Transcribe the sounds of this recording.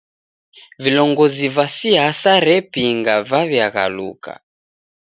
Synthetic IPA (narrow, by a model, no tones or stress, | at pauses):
vilɔŋɡɔzivasiɦasaɾɛpiŋɡavavjaɣa̰lṵka̰